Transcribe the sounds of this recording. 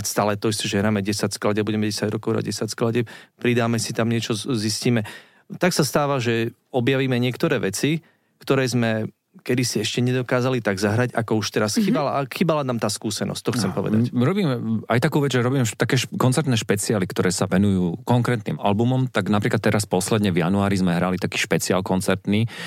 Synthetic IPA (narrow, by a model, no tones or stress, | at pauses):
st̪aːlɛt̪ɔist̪ɔʒɛɦɾaːmɛɟɛsacsklaɟɛabuɟɛmɛɟɛsaɟɾɔ̰kɔʊɦɾa̰ɟɟɛsacsklaɟɛpɾid̪aːmɛsit̪amɲɪɛt͡ʃɔzisciːmɛ | t̪aksast̪aːʋaʒɛ | ɔbjaʋiːmɛɲɪɛkt̪ɔɾɛːʋɛt͡si | kt̪ɔɾɛːzmɛ | kɛd̪isiɛʃcɛɲɛd̪ɔkaːzalit̪aɡzaɦɾaɟakɔuʃt̪ɛɾasxiːbalaxiːbalanaːmt̪aːskuːsɛnɔ̰sc̚t̪ɔxt͡st͡sɛmpɔʋɛ̰d̪a̰cɾɔbiːmajt̪akuːʋɛd͡zʒɛɾɔbiːmt̪akɛːʃkɔnt͡sɛɾt̪nɛːʃpɛt͡siaːlikt̪ɔɾɛːsaʋɛnujuːkɔŋkɾɛːt̪niːma̰lbumɔmt̪aɡnap̬ɾiːklat̪ːɛɾaspɔslɛd̪ɲɛvjanuaːɾizmɛɦɾalit̪akiːʃpɛt͡sia̰lkɔnt͡sɛɾt̪niː